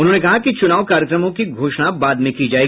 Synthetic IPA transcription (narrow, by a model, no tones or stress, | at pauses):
ʊnɦõːnekɐɦakit͡ʃʊnaːʋkaːɾjəkɾəmõkiɡʱoːʃɽabaːd̪mẽkid͡ʒaːe